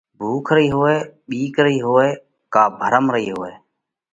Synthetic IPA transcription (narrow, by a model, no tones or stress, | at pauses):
bʱuːkʰɾəiːɦoːeːɓiːkɾəɦiːɦoːeː | kaːbʱəɾəmɾəɦiːɦoːeː